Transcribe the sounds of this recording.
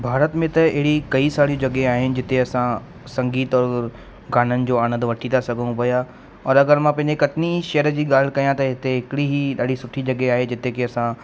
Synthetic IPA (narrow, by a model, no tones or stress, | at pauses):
bʱaːɾət̪mẽt̪ɐɪɦɪɽikɐisaːɽijũd͡ʑɐɡeaːɦɪnɪ̆d͡ʑɪt̪eɐsã | sɐ̃ŋɡiːt̪ɔːɾ | ɡʱaːnənɪ̆d͡ʑoːaːɽ̃ə̃nd̪ʋɐʈʰit̪ʰasɐɡʱəɽ̃ũpɐja | ɔːɾɐɡəɾmãpɐ̃ɦɪ̃ɲd͡ʑekɐt̪ɪniʃɐjəɾəd͡ʑiːɠaːl̤kɐjãt̪ɐɦɪt̪eɦɪkɪɽiɦiɗaːɖisʊʈʰid͡ʑɐɡeaːɦed͡ʑɪt̪ekeɐsã